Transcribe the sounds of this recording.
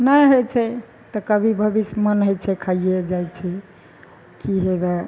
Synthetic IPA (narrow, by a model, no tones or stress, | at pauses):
najɦojt͡ʃʰɛ | t̪ɔkəbʱibʱəbismənɦojt͡ʃʰɛkʰaied͡ʒajt͡ʃʰɛ | kiɦebɛ